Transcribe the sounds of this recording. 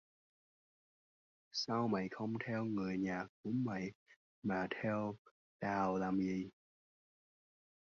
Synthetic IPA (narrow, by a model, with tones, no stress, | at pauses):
saː˧wma̰˧˨jxə˧wŋ͡mt̪ʰɛ˧wŋɨ˨˩əjɲaː˨˩k̚ːṵ˧˥əmə̰˧˨j | maː˨˩t̪ʰɛ˧w | ɗaː˨˩wlaː˨˩mzi˨˩